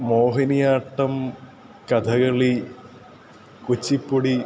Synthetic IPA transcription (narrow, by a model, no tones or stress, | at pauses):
moːɦɐnijaːʈːɐm | kɐd̪ʱɐɣɐɭi | kut͡ɕːipːoɽi